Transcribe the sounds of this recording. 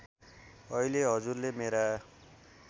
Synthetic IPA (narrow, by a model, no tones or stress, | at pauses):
ʌileɦʌd͡zurlemeɾa